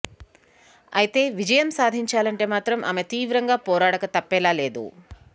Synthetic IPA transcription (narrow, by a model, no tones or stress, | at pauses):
ɐjit̪eːʋid͡ʒɐjɐmsaːd̪ʱiɲt͡ʃaːlɐɳʈeːmaːt̪ɾɐmʔɐ̰met̪iːʋɾɐŋɡaːpoːɾaːɽɐkɐt̪ɐpːeːlaːle̞ːd̪ṵ